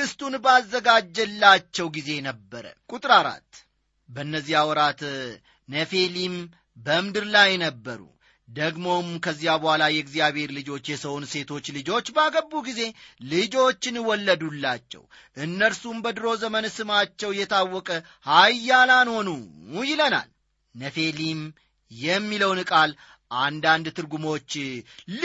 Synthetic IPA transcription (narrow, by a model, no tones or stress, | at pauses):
ɨst̪unbəazːəɡad͡ʒːɛlːat͡ʃːɛwɡize̞nəbːəɾə̰kʼut̪ʼɾaɾa̰t̪ː | bəɨnːəzːiawɔɾat̪ | nəfe̞lim | bəmd̪ɨɾlajnəbːəɾṵ | d̪əɡmo̞mkʰəzːijabəhʷalajɛɨɡzijaβheɾlɨd͡ʒo̞t͡ʃːjɛsəwnse̞t̪ʰo̞t͡ʃːlɨd͡ʒo̞t͡ʃːbəaɡəbːuɡize̞lɨd͡ʒo̞t͡ʃːɪnwɔlːəd̪ulːat͡ʃːɛ̰w | ʔɨnːəɾsumbəd̪ɨɾo̞zəmənsɨmat͡ʃːɛwjɛt̪ʰawːɔkʼə | hajːalanho̞nujɪləna̰l | nəfe̞lim | jɛmːiləwnɨkʼal | ʔand̪and̪t̪ʰɨɾɡumo̞t͡ʃː